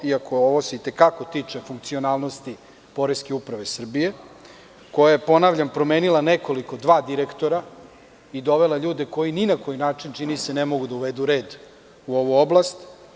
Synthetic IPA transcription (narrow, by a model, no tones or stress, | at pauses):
iakʰooʋo̞se̞it̪e̞kako̞t̪it͡ʂe̞fuŋk̚t̪sio̞naːlˠnost̪i | po̞ɾeskeupɾaʋe̞sr̩bije̞ | ko̞jaje̞po̞naʋʎampɾo̞meːnilˠaneko̞liko̞d̪ʋaːd̪iɾekt̪o̞ɾa | id̪o̞ʋe̞lˠaʎuːd̪e̞ko̞jininako̞jinaːt͡ʂint͡ʃinise̞nemo̞ɡud̪auʋed̪uɾe̞ːd̪ | uo̞ʋuoblˠast̪